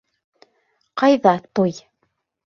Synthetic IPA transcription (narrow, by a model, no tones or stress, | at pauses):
qɑjðɑt̪oj